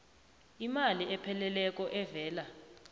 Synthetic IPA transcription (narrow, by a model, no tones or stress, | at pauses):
imaliɛpʰɛlɛlɛk̬ʼɔʔɛvɛːla